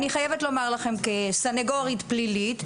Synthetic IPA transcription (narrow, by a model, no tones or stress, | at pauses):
niχajevetlo̞maʁlaχe̞mkesaneɡoʁitplilit